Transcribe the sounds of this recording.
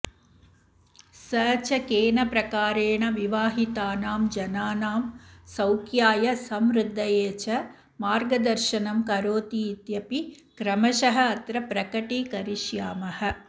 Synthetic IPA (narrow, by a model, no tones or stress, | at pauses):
sɐːt͡ʃɐkeːnɐpɾɐkaːɾeːɳɐʋiʋaːɦit̪aːnaːmd͡ʒɐnaːnaːmsɐwkʰjaːjɐsɐmɾɨd̪ʱːɐjeːt͡ʃɐ | maːɾɡɐd̪ɐɾʃɐnɐmkɐɾoːt̪iːt̪jɐpi | kɾɐmɐʃɐɦɐ̆ːt̪ɾɐpɾɐkɐʈiːkɐɾiʃjaːmɐhɐ̆